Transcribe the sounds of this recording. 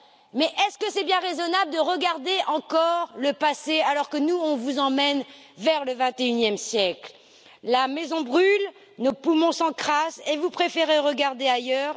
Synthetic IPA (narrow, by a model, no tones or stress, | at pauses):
mɛʔɛskəsɛbjɛ̃ʁezɔnabld̪əʁəɡaʁd̪eʔɑ̃kɔʁləpasealɔʁkənuɔ̃vuzɑ̃mɛn | vɛʁləvɛ̃t̪eynjɛmsjɛkl | lamɛzɔ̃bʁyl | nopumɔ̃sɑ̃kχasevupχefeʁeʁəɡaʁd̪eajœːʁ